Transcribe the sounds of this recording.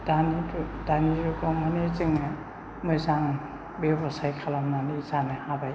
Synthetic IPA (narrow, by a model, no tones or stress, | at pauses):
daniɾudaniɾukɔmanet͡ʃɯŋa | mɔjzaŋ | bebɔsajkʰalamnanizanɯhabaj